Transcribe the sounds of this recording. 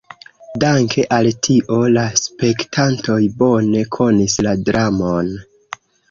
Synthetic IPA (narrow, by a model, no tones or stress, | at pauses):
daŋkʰe̞ʔaltʰiʔo̞laspe̞ktʰanto̞jbo̞ne̞kʰo̞nisladɾamon